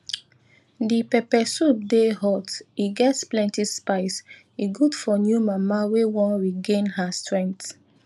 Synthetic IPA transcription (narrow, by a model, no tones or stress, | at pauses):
dipɛpɛsup̚deɦɔtiɡɛtsplɛ̃ntidspaɪs | iɡudfɔnjumamawewɔ̃nɹiɡẽnɦastɹɛ̃ŋk̚t